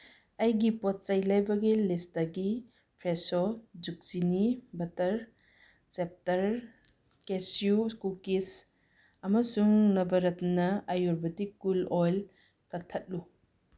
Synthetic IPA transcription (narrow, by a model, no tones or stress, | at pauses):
ɐjɡipot̚t͡ʃɐjlɐjbɐɡilistɐɡi | pʰɾesod͡ʒuk̚sinibɐtɐɾ | sep̚tɐɾ | kesjukukis | ɐmɐsuŋlɐbɐɾɐtnɐɐjuɾbɐtikːulojl | kɐk̚tʰɐt̚lu